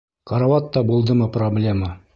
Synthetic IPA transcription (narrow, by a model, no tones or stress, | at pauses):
kɑɾɑwɑt̪ːɑbulˠd̪ɤmɤproblʲe̞mə